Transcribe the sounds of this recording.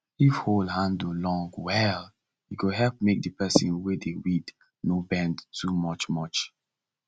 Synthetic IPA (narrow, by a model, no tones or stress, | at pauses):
ifholdhãndolɔ̃ŋɡwɛl | jikoɦɛlp̚mek̚dəpɛsĩnwedewid | nobɛ̃ndtʰumɔt͡ʃmɔt͡ʃ